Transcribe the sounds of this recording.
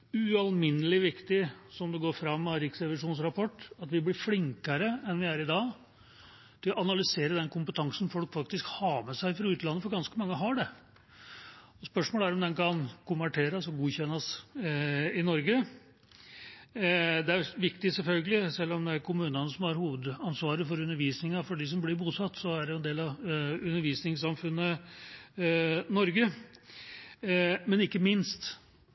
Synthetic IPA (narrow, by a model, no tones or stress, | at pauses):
ʉɑlmɪnːəlɪʋɪkt̪ɪsɔmd̪ɛɡoːɾfɾɑmːɑɾɪksɾɛʋɪʂuːnsɾɑpʰɔʈːɑt̪ʋɪblɪɾflɪŋkəɾəɛnʋɪæɾɪd̪ɑː | t̪ʰɪlɔʔɑnɑlʏseːɾəd̪ɛnkʰʊmpət̪ʰɑŋsən̩fɔlkfɑkt̪ɪskhɑːmɛsæɪfɾɑʉːt̪əlɑnːəfɔɾɡɑnskəmɑŋːəɦɑɖɛ | ɔspœʂmoːləæɾɔmd̪ɛnkʰɑnkʊmʋæʈʰeːɾəsɔɡuːçɛnːɑs | ɪnɔɾɡə | d̪ɛæʋɪkt̪ɪsɛlfœlɡəlɪsɛlːɔmd̪ɛæɾkʰʊmʉːnənəsɔmhɑɾhuːʋəd̪ɑnsʋɑːɾəfɔɾʉnːəɾʋiːsnɪŋɑfɔɖɪs̬ɔmblɪɾbuːsɑt̪ːsɔæɖɛjʊɛnd̪eːlɑʋʉnːəɾʋiːsnɪŋsɑmfʉnːə | nɔɾɡə | mɛnɪkːəmɪnst̪